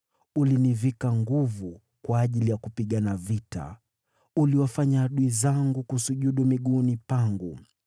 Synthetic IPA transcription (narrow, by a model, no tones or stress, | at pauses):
ulinivikaŋɡuvu | kwaːʄilijakupiɠanavita̰ | uliwafaɲaːɗuizaŋɡukusuʄuɗumiɠunipaŋɡu